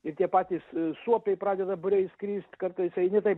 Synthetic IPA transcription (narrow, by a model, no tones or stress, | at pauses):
ɪrt̪ʲiɛpɑːt̪ʲiːssuɔpʲɛɪpɾɑːd̪ʲɛd̪ɐbʊɾʲɛɪskɾʲiːsʲt̪ʲkɐrt̪ɐɪsɐɪnʲɪt̪ɐɪp